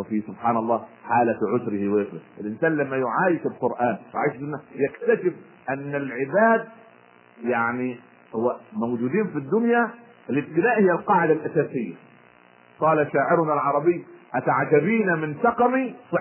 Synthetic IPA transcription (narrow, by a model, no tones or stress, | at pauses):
wɪfisʊbħaːnɑlˤːɑːħaːlaʕʊsɾɪhiwʔɪfɾɪʔɪlʔɪnsaːnlamːajʊʕaːjɪfɪlqʊɾʔaːnw̰ʕa̰jʃsɪnːajakt̪aʃɪb̚ | ʔanːɪlʕɪbaːd̪̚ | jaʕni | hʊwːamowd͡ʒuːd̪iːnfid̪ːʊnja | ɪlɪb̚t̪ɪnaːʔhɪjːalqɑːʕɪd̪alʔasaːsɪjːa̰ | qɑːlaʃaːʕɪɾʊnalʕɑɾˤɑbɪjːʔat̪aʕt̪abiːnamɪnt̪ɑqɑmi